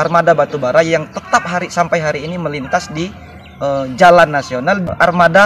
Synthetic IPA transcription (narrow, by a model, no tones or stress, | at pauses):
armadabat̪ubaɾajaŋt̪ət̪ap̚ɦaɾisampajɦaɾiːniməlint̪asdi | əd͡ʒalanːasionalʔarmada